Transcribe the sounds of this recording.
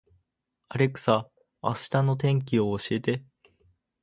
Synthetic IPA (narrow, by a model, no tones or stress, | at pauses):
aɾe̞kɯ̟̥sa̰ː | ɕɨ̥t̪ano̞t̪ẽ̞ŋk̬ʲio̞ːɕie̞t̪e̞